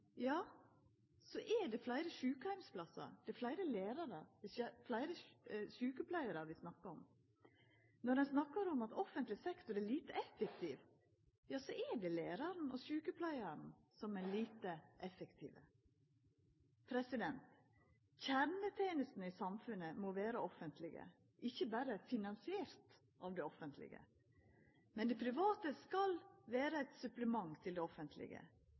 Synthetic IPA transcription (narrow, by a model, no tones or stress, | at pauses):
jɑː | sɔʔɛɖɛflæɪɾəʃʉːkəhæɪmspʰlɑsɑ̰ɾd̪̥ɛflæɪɾəleːɾɑɾəd̪ɛflæɪɾəʃʉːkəpʰlæɪəɾəɾʋɪsnɑkːəɔm | nɔɾɖ̪ɛnsnɑkːəɾɔmɑt̪ɔfənt̪lɪsɛkt̪ʊɾɛliːt̪əɛfɛkt̪ʰiːʋ | jɑːsɔʔɛɖɛleːɾɑɾn̩ɔʃʉːkəpʰlæɪɑɾn | sɔmɛliːt̪əʔɛfəkt̪ʰḭːʋə | pʰɾɛsɪd̪ɛnt̪ | çæɾnət̪ʰeːnəst̪n̩ɪsɑmfʉnəmoːʋeːɾəɔfənt̪ʰlɪɡə̰ | ʔɪçːəbæːɾəfɪnɑnsɪeːɾt̪ | ʔɑʋd̪ɛɔfənt̪ʰlɪ̰ɡə̰ | mɛnd̪ɛpʰɾɪʋɑːt̪əskɑlʋeːɾəæɪt̪sʉpləmɑŋt̪ʰɪld̪ɛɔfənt̪ʰlɪ̰ɡə̰